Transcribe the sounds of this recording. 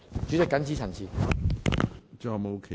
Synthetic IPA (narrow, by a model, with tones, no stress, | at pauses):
t͡ʃyː˨˥t͡sɪ˨˩kːɐ˨˥nt͡siː˨˥t͡sʰɐ˨˩nsʰi˨˧ | t͡ʃɔː˧˩mo˨˧˥kʰe˨